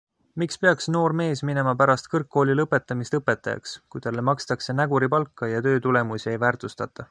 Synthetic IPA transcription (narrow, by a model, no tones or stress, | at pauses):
mikspe̞ɑksno̞ːɾme̞ːsmine̞mɑpæɾɑst̪̚kɤrkːo̞ːlʲilɤpːˑe̞t̪ˑːɑmist̪ɤpːe̞t̪ːˑɑjɑ̰kskujt̪ɑlːe̞mɑkst̪ɑkse̞næɡuɾipɑlkːɑjɑt̪ø̞ːt̪ule̞musiejvæːrt̪ust̪ɑt̪ːˑɑ